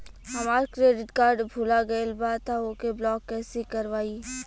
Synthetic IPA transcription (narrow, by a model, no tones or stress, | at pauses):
ɦɐmaːɾkɾeːɖɪʈkaːɾɖbʱulaɡɐlbaːd̪t̪ʰaokeblɔːkːɛːsikɐɾʋaːi